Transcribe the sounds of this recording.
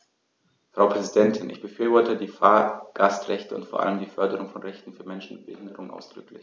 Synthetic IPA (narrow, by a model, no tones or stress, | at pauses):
fʁ̥aʊpʁ̥ɛzidɛntʰɪnʔɪ̰çb̥əfyːɐvɔɐtədiːfaːɐɡ̥astʁɛçtəʊ̰ntfoːɐʔa̰ləmdiːfœɐdəʁʊŋfɔnʁɛçtn̩fyːɐmɛnʃn̩mɪt̚b̥əhɪndəʁʊŋənʔa̰ʊsd̥ʁʏklɪç